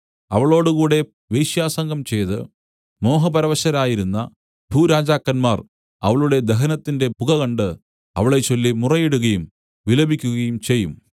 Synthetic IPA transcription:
ɐ̰ʋɐɭo̞ːɽukuːɽe̞ | ʋejɕjaːsɐŋɡʱɐmt͡ɕe̞jt̪ɨ | mo̞ːɦɐpɐɾɐʋɐɕɐɾaːjiɾunːɐ | bʱuːɾaːd͡ʑaːkːɐnmaːr | ɐ̰ʋɐɭuɽe̞d̪eɦɐnɐt̪ːinde̞puɣɐɣɐɳɖɨ | ɐ̰ʋɐɭe̞t͡ɕo̞lːimurɐjeɽuɣɐjum | ʋilɐbʱikʲːuɣɐjumt͡ɕe̞jːum

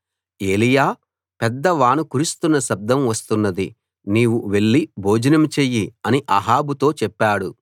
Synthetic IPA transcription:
e̞ːlijaː | pɛd̪ːɐʋaːnukuɾust̪unːɐsɐb̚d̪ʱɐmʋɐst̪unːɐd̪i | niːʋuʋe̞ɭːibʱoːd͡ʒɐnɐmt͡ʃeːjiɐniʔɐ̰ɦaːbut̪o̞ːt͡ʃɛpːaːɽu

